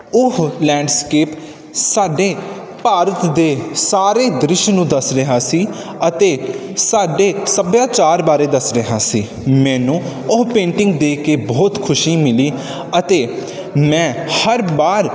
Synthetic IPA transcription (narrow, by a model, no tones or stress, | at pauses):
ʊɦlɛ̃ːɳɖskeːp | saːɖeː | paːɾət̪d̪eːsaːɾeːd̪ɾɪʃnũːd̪əsɾəɦaːsiː | ət̪eːsaːɖeːsəbjãːt͡ʃaːɾbaːɾeːd̪əsɾəɦaːsiː | mɛ̃ːnũːʊɦpẽːɳʈɪ̃ŋɡ̚d̪eːkeːbɔːt̪kʰʊʃiːmɪliː | ət̪eː | mɛ̃ːhəɾbaːɾ